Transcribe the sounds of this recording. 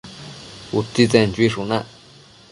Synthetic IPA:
ut̪it͡sɛnt͡ʃwiʂunãʔ

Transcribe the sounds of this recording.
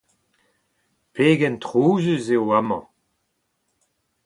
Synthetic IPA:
peːɡɛnt̪ʁuːzøzeoamɑ̰̃

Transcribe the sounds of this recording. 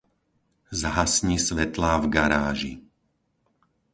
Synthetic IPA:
zaɦasɲisʋɛt̪laːvɡaɾaːʒḭ

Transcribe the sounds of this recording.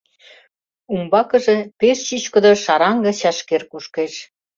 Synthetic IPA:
umbɑkə̆ʒepeʃɕit͡ɕkə̆d̪ŏʃɑɾɑŋɡɤ̆t͡ɕɑʃkerkuʃkeʃ

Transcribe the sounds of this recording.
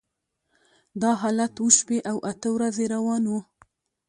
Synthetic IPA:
d̪ɑɦɑlat̪wuʃpeʔawʔat̪əwɾazeɾawɑnwu

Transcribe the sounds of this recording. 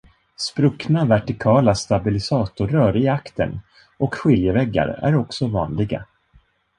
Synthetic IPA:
spɾɵknavæʈɪkʰɑːlast̪abɪlɪsɑːt̪ʊɾœːɾɪakt̪ʰə̰n | ɔkɧɪljəvɛɡːa̰ɾæ̰ɾɔksɔvɑ̰ːnlɪɡa̰

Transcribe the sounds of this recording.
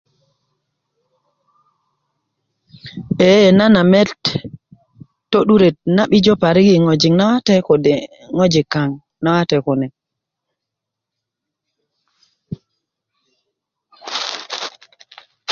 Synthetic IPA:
ɓɛjɛnanamɛt | tːoɗuɾɛnaɓid͡ʒɔpaɾiɡiŋod͡ʒiŋnawatɛkɔ | ŋod͡ʒikaŋ | nawatɛkɔnɛ

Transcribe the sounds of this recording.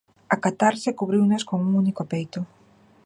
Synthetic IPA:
akat̪aɾsɪkuβɾiwnaskoŋuŋunikopejt̪o

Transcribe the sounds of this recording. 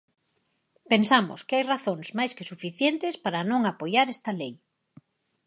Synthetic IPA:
pensamo̰skɪajraθoŋsmajskesufiθjent̪ɪspaɾɐnõŋapojaɾest̪ɐlej

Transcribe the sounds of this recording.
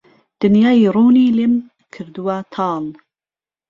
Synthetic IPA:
d̪̥ɨnjɑːiruːniːlem | kʰɨɾd̪uwat̪ʰɑːl

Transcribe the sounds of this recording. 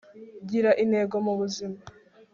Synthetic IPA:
ɟiɾaʔine̞ɡo̞muβuzima

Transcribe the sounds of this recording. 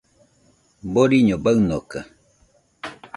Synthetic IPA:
boɾiɲobaɨnoka

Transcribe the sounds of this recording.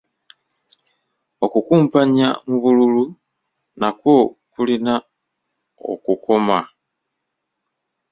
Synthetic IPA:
okukuːmpaɲa̰muβululu | nakwo̞kulina | o̞̰kuko̞ma

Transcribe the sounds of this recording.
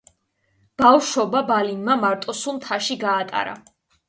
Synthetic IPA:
b̥afʃɔbabalinmamaɾt̪ʼɔsumt̪ʰaʃiɡaːt̪ʼa̰ɾa̰

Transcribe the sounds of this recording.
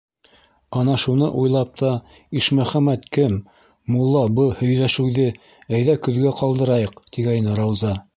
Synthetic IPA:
ɑnɑʃunɤ̰ʔujlˠɑp̚t̪ɑ | iʃmæχæmæt̪kɘmː | ulˠːɑbɤhɵ̆jlæʃɘ̆wðɘ | æjðækɵ̆ðɡæqɑlˠd̪ɤ̆ɾɑjɤqt̪iɡɑjnɤɾɑwzɑ

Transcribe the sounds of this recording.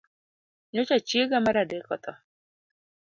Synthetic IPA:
ɲot͡ʃat͡ʃieɡamaɾadekɔt̪ɔ

